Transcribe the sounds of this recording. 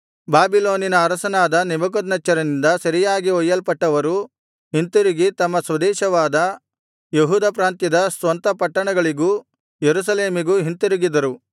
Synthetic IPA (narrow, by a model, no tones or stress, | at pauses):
baːbiloːninɐːɾɐsɐnaːd̪ɐnibɐɡod̪nɐt͡ʃːɐɾɐnind̪ɐsɐɾijaːɡiɔjːɐlpɐʈːɐʋɐɾu | ɦint̪uɾiɡit̪ɐmːɐsʋɐd̪ɛːʃɐʋaːd̪ɐ | jeɦuːd̪ɐpɾaːnt̪jid̪ɐsʋɐnt̪ɐpɐʈːɐɳɐɡɐɭiɡu | jeɾus̬ɐleːmiɡuɦint̪uɾiɡid̪ɐɾu